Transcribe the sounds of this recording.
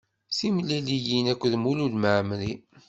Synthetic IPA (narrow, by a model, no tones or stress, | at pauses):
simlælijinækʷːðmululməʕmli